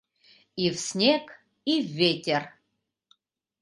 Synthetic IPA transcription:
iwsnʲeɡ | ivːʲetʲɛr

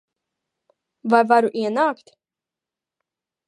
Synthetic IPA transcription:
vajvaɾuʔiɛnaːkt̪

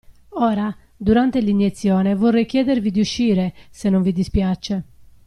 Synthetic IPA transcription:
ɔːɾa | d̪uɾant̪eliɲjet̪sːjɔːnevɔrːɛjkjɛːd̪eɾvid̪iuʃːiːɾesenːoɱvid̪ispjat͡ʃːe

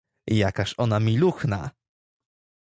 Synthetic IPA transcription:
ijakaɕɔnamʲiluxna̰

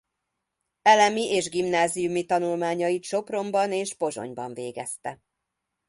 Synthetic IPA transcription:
ɛlɛmiʔeːʒɡimnaːzijumit̪ɒnulmaːɲɒjit̪ʃo̞pro̞mbɒneːʒbo̞zo̞̰ɲbɒ̰ɱveːɡɛst̪ɛ

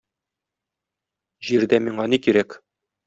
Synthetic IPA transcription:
ʑiɾd̪æmiɴɑnikiɾæk

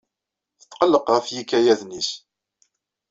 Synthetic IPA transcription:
θə̥t̪ːqəlːəqʁəfjikːæjæðnis

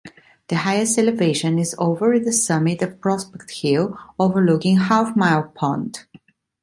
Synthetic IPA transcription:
ðɨhaɪɨstɛləveɪʃɨ̃nɪzo̰ʊvə˞ɪ̃nðəsʌmɪɾʌv̥pʰɹ̥ɔspɛk̚thilˠoʊvə˞lʊkɪ̃ŋhafmaɪlˠpʰɑ̃nd

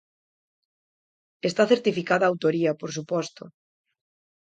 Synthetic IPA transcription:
est̪aθeɾt̪ifikaðaːwt̪oɾiɐpoɾs̬upɔst̪o

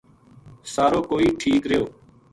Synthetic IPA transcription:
saːɾoːkoːiːʈʰiːkɾɪjoː

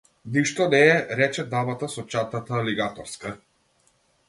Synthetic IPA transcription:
niʃt̪ɔnɛɛɾɛt͡ʃɛd̪avat̪asɔt͡ʃat̪at̪aliɡat̪ɔɾska

